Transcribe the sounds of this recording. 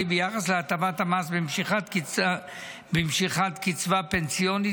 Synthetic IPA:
ibejaχasleat̪avat̪amasbimʃiχatkia | bimʃiχat̪kit͡svapensijoni

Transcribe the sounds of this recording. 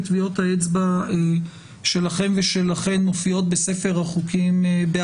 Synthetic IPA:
t̪vio̞taet͡sbae | ʃe̞laχe̞mveʃelaχe̞nːo̞fio̞t̚bese̞fe̞ʁaχukimbe

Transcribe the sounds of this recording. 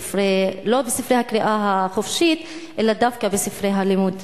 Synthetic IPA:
fɾelobesifɾejhakɾiʔaɦaχofʃit̪ | ʔelad̪afkabesifɾejɦalimud̪

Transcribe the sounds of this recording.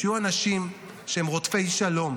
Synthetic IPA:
juanaʃim | ʃehemʁot̪fe̞jʃalo̞m

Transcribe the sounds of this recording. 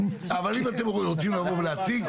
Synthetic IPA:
avalimat̪emʁot͡simlavovleat͡siɡ

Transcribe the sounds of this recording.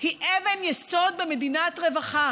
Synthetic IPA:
hiʔevenjeso̞d̪̚be̞me̞d̪inatʁe̞vaχa

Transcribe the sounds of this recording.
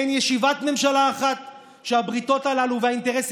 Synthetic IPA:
njeʃivatme̞mʃalaːχat | ʃeabʁito̞talaluvehainteʁes

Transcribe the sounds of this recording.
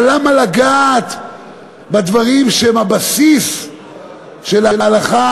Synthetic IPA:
lamalaɡaːt̪ | bad̪vaʁimʃeemhabasis | ʃelalaalaχa

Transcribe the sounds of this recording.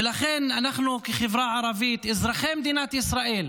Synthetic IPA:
laxɪnʔanaħnukixɪvɾaʕɑɾˤɑviːt̪ʔɪzɾˤaxeːmd̪iːnat̪ʔɪsɾˤaʔiːl

